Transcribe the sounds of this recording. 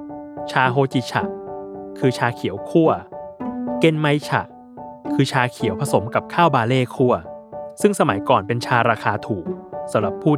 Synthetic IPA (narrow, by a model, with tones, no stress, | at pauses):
t͡ɕʰaː˧ɦoː˧t͡ɕi˨˧˩t͡ɕʰa̰˨˩ʔkʰɯː˧t͡ɕʰaː˧kʰi˨˩˦əwkʰu˥˩ɐ | ke˧nma˧jt͡ɕʰa̰˨˩ʔ | kʰɯː˧t͡ɕʰaː˧kʰi˨˩˦wpʰa˧so˩˦mka˨˩p̚kʰaː˥˩wbaː˧leː˥˩kʰu˥˩ɐsɯ˥˩ŋsa˧ma˩˦jkɔː˨˩npe˧nt͡ɕʰaː˧ɾaː˧xʰaː˧t̪ʰuː˨˩k̚sa˨˦mɾa˨˩pʰːuː˥˩